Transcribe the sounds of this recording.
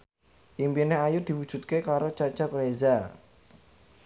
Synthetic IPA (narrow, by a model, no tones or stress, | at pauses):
ʔimpineajud̪̥i̤wud̥ʒ̥ṳt̪̚kekaɾot͡ʃḁt͡ʃapɾeza